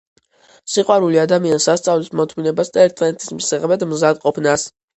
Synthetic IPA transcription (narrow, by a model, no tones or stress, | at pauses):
siqʼwaɾuliad̪amiansast̪sʼavlismɔt̪ʰminɛbast̪ʼɛɾt̪ʼɛnt̪ʰʼi̥smisɛʁɛbɛd̪mzad̪qʼɔpʰnas